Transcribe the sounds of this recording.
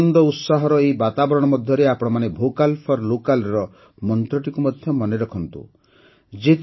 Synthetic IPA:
nd̪ɔut̪saɦɔɾɔejbat̪abɔɾɔɽ̃ɔmɔd̪ʱjɔɾeapɔɽ̃ɔmanebʱokalpʰɔɾlokalɾɔ | mɔnt̪ɾɔʈikumɔd̪ʱjɔmɔneɾɔkʰɔnt̪ṵ | d͡ʒet̪

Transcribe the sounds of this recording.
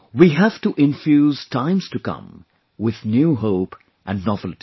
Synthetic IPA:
wiɦæv̥ʈuʔɪ̃ɱfjuːz̥tʰãɪ̃mz̥tukʌ̰̃m | wɪðnjuɦoʊp | ʔɨ̃nɖnɔvlʈi

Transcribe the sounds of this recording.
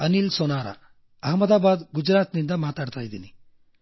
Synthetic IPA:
ɐnilsɔnaːɾa̰ | ɐɦmɐd̪aːbaːd̪ɡud͡ʒɾaːt̪nind̪ɐmaːt̪aɽt̪ajd̪ini

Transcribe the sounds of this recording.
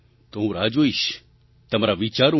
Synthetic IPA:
t̪oɦũɾaːd͡ʒoiʃ | t̪ɐmaɾaʋit͡ʃaːɾu

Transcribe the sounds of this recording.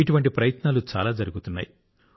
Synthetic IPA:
iʈuʋɐɳʈipɾɐjɐt̪naːlut͡ʃa̰ːlaːd͡ʒɐɾuɡut̪unːa̰ːji

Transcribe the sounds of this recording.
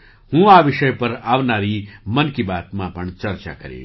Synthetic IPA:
hũːaːʋɪʃəjpɐɾaːʋnaːɾiːmɐnkibaːt̪mãpɐɳt͡ʃɐɾt͡ʃa̰ːkɐɾḛː

